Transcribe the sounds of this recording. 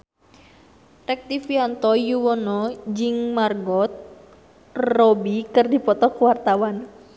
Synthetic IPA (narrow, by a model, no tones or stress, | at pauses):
rɛk̚t̪ifiant̪ɔjuwɔnɔd͡ʒɪŋmarɡɔt̪̚ | rɔbikərdipɔt̪ɔkwart̪awan